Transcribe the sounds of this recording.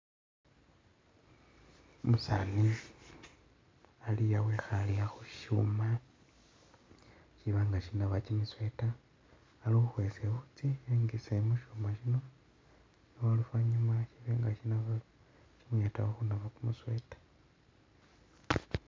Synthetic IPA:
musani | alijawexaliaxuʃṵma | ʃiβaŋɡaʃinaβat͡ʃimiswe̞taː | lixuxwesekut͡sieŋɡisemuʃumaʃino̞ | iwalufwaɲumaʃiβeŋɡaʃinaβa | t͡ʃimweta̰woxunaβakumuswe̞tḁ

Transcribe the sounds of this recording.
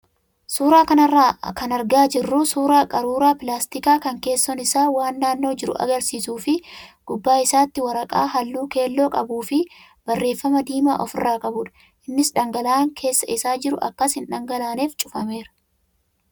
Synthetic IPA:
suːɾaːkɐnɐrːaːkɐnɐɾɡaːd͡ʒɪrːʊsuːɾaːkʼɐɾuːɾaːpɪlaːst̪ɪkaːkɐŋke̞ːsːɔnɪsaːwaːnːaːnːo̞ːd͡ʒɪɾʊ̰ʔɐ̰ɡɐɾsiːsuːfɪɡ̥ʊbːaːɪsaːt̪ːɪwɐɾɐkʼa̰ːɦɐlːuːke̞ːlːo̞ːkʼɐbuːfɪ | b̥ɐrːe̞ːfːɐmɐd̪iːma̰ːʔɔfɪrːaːkʼɐbʊᶑɐ̥ | ʔɪnːɪsᶑɐŋɡɐlaːŋkʰe̞ːsːɐɪsaːd͡ʒɪɾʊʔɐ̰kːɐshɪnᶑɐŋɡɐlaːneːft͡ʃʼʊfɐme̞ːɾɐ̥

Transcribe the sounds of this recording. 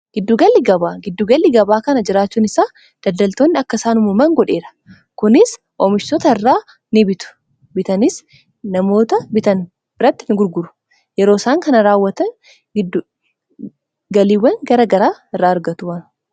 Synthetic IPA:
ɡ̥ɪd̪ːuːɡɐlːɪɡɐbaːɡɪd̪ːuːɡɐlːɪɡɐbaːkɐnɐd͡ʒɪɾaːt͡ʃːuːnɪsaː | d̪̥ɐld̪ɐlt̪oːnːɪɐkːɐsaːnʊmʊmɐŋɡɔᶑe̞ːɾɐ̥ | kʊnɪs | ʔomɪʃt̪ɔt̪ɐɪrːaː | nɪbɪt̪ʊ̥ | bɪt̪ɐnɪs | nɐmo̞ːt̪ɐbɪt̪ɐn | b̥ɪɾɐt̪ːɪnɪɡʊɾɡʊɾʊ̥ | jɛɾo̞ːsaːŋkɐnɐɾaːwːɐt̪ɐn | ɡɪ | ɡɐliːwɐŋɡɐɾɐɡɐɾaːɪrːaːɐɾɡɐt̪ʊwɐn

